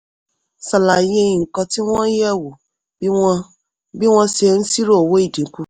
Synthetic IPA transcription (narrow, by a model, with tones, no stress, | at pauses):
sa˨la˨je˦˨ŋ̩˨kɔ˦ti˦ŋʷɔ˦i˦je˦wu˨˦ | bi˦ŋʷɔ̃˦si˨e˦n̩˦si˦ɾo˨wo˦i˨di˨˦ku˦